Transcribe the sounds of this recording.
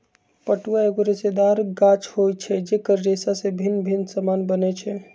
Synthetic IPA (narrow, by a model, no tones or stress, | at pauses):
pəʈuaeɡoɾesed̪aɾɡat͡ʃʰhojt͡ʃʰɛd͡ʒekəɾːesasẽbʱinːbʱinːsamanbənɛt͡ʃʰɛ